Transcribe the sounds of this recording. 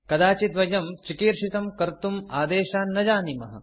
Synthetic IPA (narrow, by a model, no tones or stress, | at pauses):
kɐd̪aːt͡ʃit̪ʋɐjɐmt͡ʃikiːɾʃit̪ɐmkɐɾt̪umaːd̪eːʃaːnːɐd͡ʒaːnimɐɦɐ̰̆